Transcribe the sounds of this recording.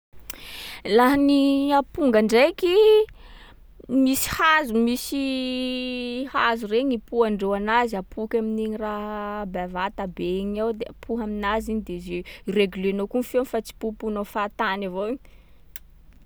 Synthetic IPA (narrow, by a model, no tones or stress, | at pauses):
laɦaniapuŋɡaɳɖ͡ʐajki | misi̥hazumisi | hazureɲipuaɳɖ͡ʐewanaziapʰukʲaminiɲiraɦbavat̪abeɲawd̪eapʰuɦaminaziɲd̪ezeireɡylenokunfionifat͡si̥pupunofat̪anavoiɲ